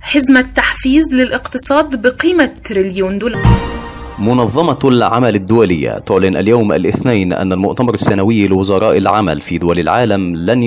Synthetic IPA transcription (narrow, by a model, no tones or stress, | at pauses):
ħɪzmat̪ːaħfiːzlɪlʔɪqt̪ɨsˤɑːd̪bɪqiːmat̪ɾɪljuːnd̪ʊːlaɾ | mʊnɑðˤːɑmɑlʕamalɪd̪ːʊwælɪjːa̰t̪ʊʕlɪnʔa̰ljawma̰lʔɪθnaːnʔa̰nːælmʊʔt̪amɑɾˤɪsːanawɪjːilɪwʊzɑɾˤɑːʔɪlʕama̰lfid̪ʊwælɪlʕaːlamlan